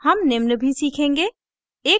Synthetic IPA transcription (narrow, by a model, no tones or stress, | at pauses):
həmnemnəbʱisiːkʰẽːŋɡe | eː